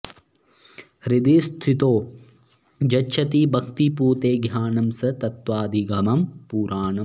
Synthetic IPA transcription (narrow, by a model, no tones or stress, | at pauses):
hɾid̪iːst̪ʰit̪oː | d͡ʒɐtːʃʰɐt̪ibʱɐkt̪ipuːt̪eːɡʱjaːnɐmsɐt̪ɐt̪ʋaːd̪ʱiɡɐmɐmpuːɾʔaːnɐ